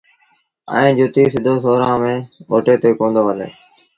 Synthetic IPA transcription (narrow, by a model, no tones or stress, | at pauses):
ə̰ẽːd͡ʒʊt̪iːsɪd̪ʱoːsoːɾãːmẽːoːʈeːt̪eːkõːnd̪oːɦəlḛː